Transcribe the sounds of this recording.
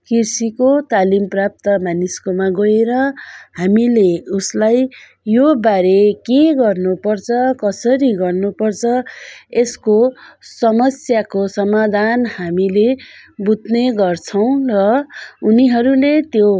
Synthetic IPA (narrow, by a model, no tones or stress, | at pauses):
kirsikot̪alimprap̚t̪ʌmaniskomaɡʌeɾʌhamileuslaj | jobaɾekeɡʌrnupʌrt͡sʰʌkʌsʌɾiɡʌrnupʌrt͡sʰʌeskosʌmʌsjakosʌmad̪ʱanhamilebut̪neɡʌrt͡sʰʌw̃rʌuniɦʌɾulet̪jo